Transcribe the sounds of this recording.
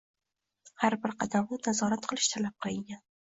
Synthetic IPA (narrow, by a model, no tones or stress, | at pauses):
haɾbɪɾqʰɑd̪amnɪnazɒɾat̪qʰɨlˠɪ̥ʃt̪ʰalap̚qʰɨlˠɪŋɡʲan